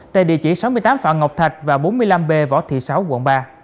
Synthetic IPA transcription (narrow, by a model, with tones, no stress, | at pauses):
t̪a̰ː˧˨ɗḭ˧˨ət͡ɕḭ˧˩sa˨˦wmɨ˧əjt̪aː˨˦mfa̰ː˧˨ŋə˨˩k͡p̚t̪ʰa˨˩k̚vaː˨˩ɓo˨˦nmɨ˧əjla˧mɓe˧vɔ̰˧˥t̪ʰḭ˧˨sa˨˦wkwə̰˧˨nɓaː˧